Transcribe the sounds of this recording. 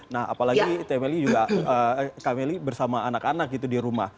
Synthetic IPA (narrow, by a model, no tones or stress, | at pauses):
naha̰palaɡit̪emelid͡ʒuɡaəkamelibərsamaːnakanak̚ɡit̪udiɾuma̰h